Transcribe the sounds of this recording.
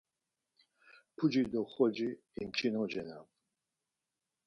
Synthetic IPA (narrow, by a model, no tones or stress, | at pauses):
pʰud͡ʒid̪ɔχɔd͡ʒiː | mt͡ʃʰinɔd͡ʒɛnam